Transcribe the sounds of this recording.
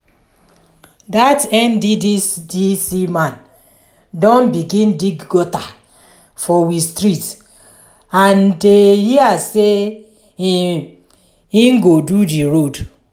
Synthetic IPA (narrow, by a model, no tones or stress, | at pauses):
datɛ̃ndididisimãn | dɔ̃nbiɡĩndiɡɡɔta | fɔwistɹit | andehiase | i | iŋɡodudiɹod